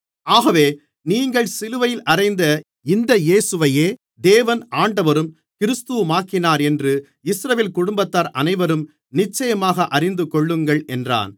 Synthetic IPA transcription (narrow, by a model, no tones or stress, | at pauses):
aːɣɐʋeː | niːŋɡɐɭsɪlɯʋɐjɪlʔɐɾɐɪnd̪ɐ | ɪnd̪ɐjeːsɯʋɐjeː | d̪eːʋɐnaːɳɖɐʋɐɾɯm | kɪɾɯst̪ɯmaːkɪnaːɾɛndrɯ | ɪsɾɐʋeːlkʊɽʊmbɐt̪ːaːɾʔɐnɐɪʋɐɾɯm | nɪt͡ʃːɐjɐmaːɣɐʔɐrɪnd̪ɯkɔɭːɯŋɡɐɭɛndra̰ːn